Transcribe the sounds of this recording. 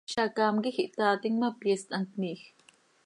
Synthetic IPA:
ʃakamɡixiʔt̪aːt̪iŋmapjest̪ʼaŋkniːx

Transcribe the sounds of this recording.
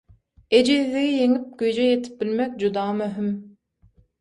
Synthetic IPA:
ed͡ʒiðiɡʲijiŋip̚ɡyjd͡ʒejet̪ʰɪ̥p̚bilmɛk̚ʲd͡ʒud̪ɑːmøɦym

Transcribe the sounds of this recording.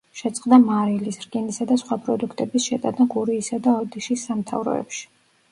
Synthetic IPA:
ʃɛt̪sʼqʼd̪amaɾilisɾɡinisad̪asχwapʼɾɔd̪ukʰt̪ʼɛbisʃɛt̪ʼad̪aɡuɾiːsad̪aɔd̪iʃisːamt̪ʰa̰vɾɔ̰ɛ̰pʃi̥

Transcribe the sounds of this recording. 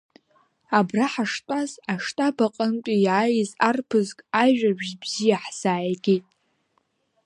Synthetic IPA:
abraħaʂtʷʼazaʂtʼabaqʼəntʲʷʼijajzarpʰɨzkʼaʒᶣabʒbz̥ijaħz̥aːjɡʲejtʼ

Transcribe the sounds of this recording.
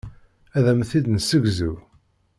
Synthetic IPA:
æðæmθid̪nəsəɡzu

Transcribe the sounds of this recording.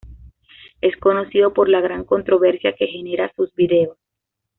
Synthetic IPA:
e̞sko̞no̞siðo̞po̞ɾlaɣɾaŋko̞nt̪ɾo̞βe̞ɾsjake̞xe̞ne̞ɾasuzbiðe̞os

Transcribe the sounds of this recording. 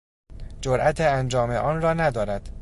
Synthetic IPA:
d͡ʒoɾʔæt̪ʰeænd͡ʒɒːmeʔɒːnrɒːnæd̪ɒːɾæd̪̥

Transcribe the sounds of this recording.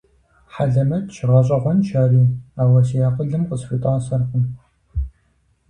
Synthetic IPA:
ħaɮɐmɐtʃɪʁɐɕʼɐʁʷɔnʃaːɾiːaːwɐsijaːqəɮɨmqəzfitʼaːsɐrqʷʊm

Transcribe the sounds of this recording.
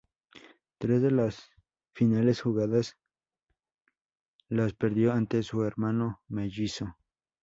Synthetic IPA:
t̪ɾe̞zðe̞las | finalesxuɣaðas | laspeɾðjoant̪esueɾmanomeʝiso

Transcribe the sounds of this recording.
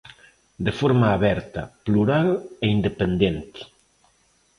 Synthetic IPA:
d̪efoɾmaːβɛɾt̪ɐ̰pluɾaleind̪epend̪ent̪ɪ̥

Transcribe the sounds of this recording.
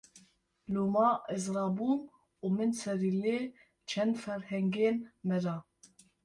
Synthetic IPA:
luːmɑːʔɛzɾɑːbuːn | uːmɨnsɛɾileː | t͡ʃʰɛnd̪fɛɾhɛŋɡeːnmɛɾɑː

